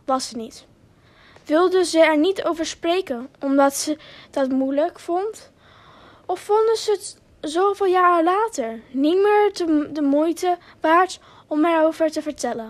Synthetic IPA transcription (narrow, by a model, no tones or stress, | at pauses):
ʋɑsənit | ʋɪlˠdənzəɛɹnitowvəɹsprejkənʔɔmdɑtsəd̥ɑtmujləkfɔnt | ɔfːɔndəzəət | zowvɪːlˠjaːɹolaːtəɹnimɪːɹdədəmujtəʋaːɹt | ɔmɛɹowvəɹtəvəɹtɛlən